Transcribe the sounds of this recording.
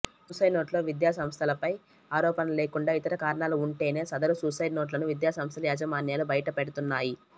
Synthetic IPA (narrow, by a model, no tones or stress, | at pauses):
susɐjno̞ːʈlo̞ːʋid̪jaːsɐmst̪ʰɐlɐpɐj | aːɾɔːpɐnɐle̞ːkuɳɖaːit̪ɐɾɐkaːɾɐɳaːluːɳʈe̞ːne̞ːsɐd̪ɐɾususɐjno̞ːʈ̬lɐnuʋid̪jaːsɐmst̪ʰɐlɐjaːd͡ʒɐmaːnjaːlubɐjɐʈɐpeɽut̪unːaːji